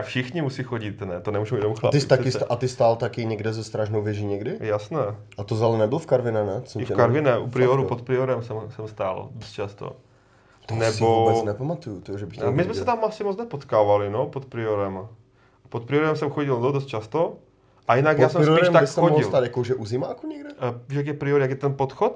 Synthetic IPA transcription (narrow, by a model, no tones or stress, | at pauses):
afʃɪxɲɪmusixoɟɪt̪nɛt̪onɛmuːʒumjɛnomxla̰t̪ɪst̪akɪst̪ʔat̪ɪst̪aːlt̪akɪɲɛɡdɛzɛst̪ɾaʒnowvjɛʒiːɲɛɡdɪjasnɛːʔat̪ozalɛnɛbɪlfkaɾvɪnɛnɛt͡soɪfkaɾvɪnɛʔupɾɪoɾupot̪̚pɾɪoɾɛmsɛmsɛmst̪aːldost̪̚t͡ʃast̪o̰ | t̪nɛsbvoubɛnɛpamat̪ujut̪oʒɛbɪxmɪzmɛssɛt̪amasɪmot͡snɛpot̪kaːvalɪnopot̪̚pɾɪoɾɛm | pot̪̚pɾɪoɾɛmsɛmxoɟɪlddos̬t̪t͡ʃast̪o | ʔajinakjaːsɛmsiɾʃɛt̪aɪsxoɪslt̪aːd̪jakoʒɛʔuzɪmaakoɲɛɡdɛʒɛjaɡjɛpɾɪoɾjaɡjɛt̪ɛnpot̪xot̪̚